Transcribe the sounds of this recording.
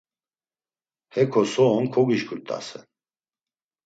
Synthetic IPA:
hɛkʰɔsɔːnkʰɔɡiʃɡuɾt̪ʼa̰sɛ̰n

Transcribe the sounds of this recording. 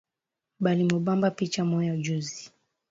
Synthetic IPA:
ɓalimɔɓambapit͡ʃamɔjad͡ʒuzi

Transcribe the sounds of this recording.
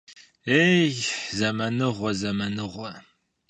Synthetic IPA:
ejzɐmɐnɨʁʷɔzɐmɐnɨʁʷɔ

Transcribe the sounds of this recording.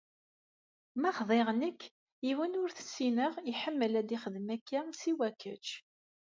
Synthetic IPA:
mæχðˤeʁnəkː | iwənʊɾθə̥sːinəʁiħəmːəlæd̪iχəðmækːæsiwækːət͡ʃ

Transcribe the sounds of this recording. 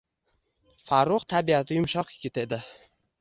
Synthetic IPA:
faɾːʊqt̪ʰabiat̪ʰɪjʊmʃɒqjɪɡʲɪt̪e̞d̪ɪ

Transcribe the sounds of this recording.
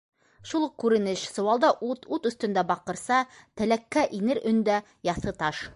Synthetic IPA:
ʃulˠɤq̚kʉɾɘ̆nɘʃsŏwɑlˠd̪ɑʔut̪ut̪ɵ̆θt̪ɵ̆nd̪æbɑqɤ̆ɾsɑt̪ɘ̆lækːæʔinɘɾɵ̆nd̪æ | jɑθɤt̪ɑʃ

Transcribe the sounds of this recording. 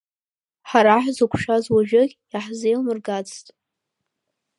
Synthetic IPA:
ħaɾaħzukʷʰʃᶣazwaʒᶣɪɡʲ | aħzejlmɨrɡat͡stʼ

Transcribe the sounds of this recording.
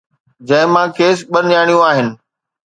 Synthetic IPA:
d͡ʑɐ̃ɦɪ̃mãːkʰeːs̬ɓɐnd͡ʑaːɽ̃ijũaːɦɪnɪ̆

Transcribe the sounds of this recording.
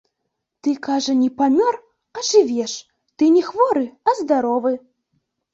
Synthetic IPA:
t̪ɨkaʐɐnʲɛpamʲɔr | ɐʐɨvʲɛʂ | t̪ɨnʲɛxvɔɾɨɐzd̪aɾɔvɨ

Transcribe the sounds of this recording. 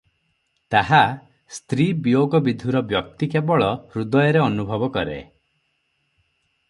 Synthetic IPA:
t̪aɦa | st̪ɾibijoɡɔbid̪ʱuɾɔbjɔk̚t̪ikebɔɭɔhɾud̪ɔjɔɾeɔnubʱɔbɔkɔɾḛ

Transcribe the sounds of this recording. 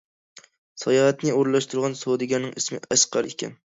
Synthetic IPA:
sɑjɑɦɛt̪nɪoɾlˠɑʃt̪uɾʁɑnsod̪ɨɡʲɛnɨŋɪsmɪ̰ɛʃqɑɾekʲʰɛ̰n

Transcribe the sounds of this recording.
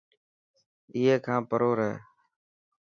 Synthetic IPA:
iːɦeːkʰãːpəɾoːɾɛḛː

